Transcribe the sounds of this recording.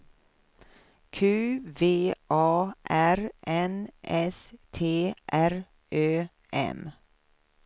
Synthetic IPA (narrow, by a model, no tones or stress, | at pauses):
kʰʉːveːʔɑːʔæɾʔɛnʔɛst̪ʰeːʔæɾ | ʔøː | ɛ̰m